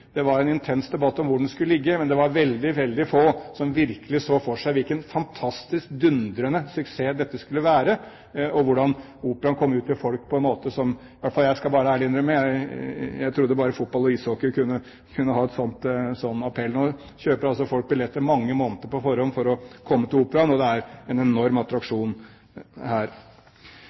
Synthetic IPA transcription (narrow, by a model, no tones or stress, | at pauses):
d̪̥ɛʋɑɾɛnɪnt̪ʰɛnsd̪ɛbɑt̪ːɔmʋʊɖɳɖ̪d̪ɛskʉləlɪɡːəmɛnd̪ɛʋɑɾʋɛld̪ɪʋɛld̪ɪfoːsɔmʋɪɾkəlɪsoːfɔʂæɪʋɪlkənfɑnt̪ʰɑst̪ɪsk̚d̪ʉnd̪ɾənəsʉkseːd̪ɛt̪ːəskʉlːəʋæːɾə | ɔʋʊɖɑn | uːpəɾɑnkʰɔmːʉːt̪ɪlfɔlk̚pʰɔɛnmoːt̪əsɔm | ɪʋæʈfɑljæɪskɑlbɑːɾəæːɭəɪnɾəmːəjæɪjæɪt̪ʰɾʊd̪ːəbɑːɾəfʊt̪̚bɑlɔiːsoːkəɾkʰʉnːə | kʰʉnːəɦɑːɛt̪sɔnt̪sɔnːɑpʰɛlnɔ | çøːpəɾɑlsɔfɔlk̚bɪlɛt̪ːəɾmɑŋːəmoːnt̪əɾpɔfɔɾɔnfɔɾɔkʰɔmːət̪ɪluːpəɾɑnɔd̪ɛæɾɛnɛnɔɾmɑt̪ɾɑkʂuːn | hæːɾ